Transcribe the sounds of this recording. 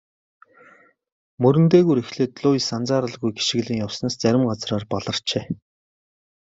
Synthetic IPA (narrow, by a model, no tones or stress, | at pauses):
mɵɾɘ̆nt̪eːɣujɾexɮeːt̪ɮʊːjsant͡saːɾə̆ɮɣujɡi̥ʃɪ̆ɣɮɘ̆ŋjawsnaːst͡sæɾʲɪ̆mɢat͡sraːrpɔɮə̆r̥t͡ɕeː